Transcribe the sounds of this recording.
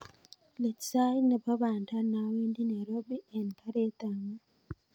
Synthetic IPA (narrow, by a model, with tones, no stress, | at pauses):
le˨tsa˦jne˨pa˦βaː˨nta˦na˨we˦ndi˦ne˨ɾo˦bi˦ɛ˨nka˦ɾe˦t̪a˨ŋa˦